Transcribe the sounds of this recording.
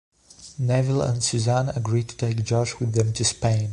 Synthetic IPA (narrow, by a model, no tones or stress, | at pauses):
nɛvɪlˠə̰̃ndsʉzæ̃nəɡɹid̚tʰə̥tʰeɪk̚d̥d͡ʒʌd͡ʒwɨðɨ̃mtʰɨspẽɪ̃n